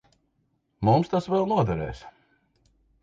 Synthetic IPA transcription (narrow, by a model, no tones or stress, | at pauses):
mumst̪asvɛlˠnuɔd̪ɛɾɛ̰ːs